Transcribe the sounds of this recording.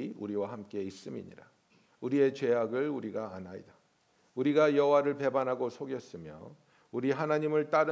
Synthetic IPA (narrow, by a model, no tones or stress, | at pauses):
iuɾiwahamk͈e̞is͈ɯmḭɲḭɾa | uɾie̞t͡ɕe̞ɦaɡɯɭuɾiɡaːnaḭda | uɾiɡajʌɦowaɾɯɭpe̞banɦaɡosʰoɡjʌs͈ɯmjʌ̰ | uɾiɦanaɲimɯɭt͈aɾɯ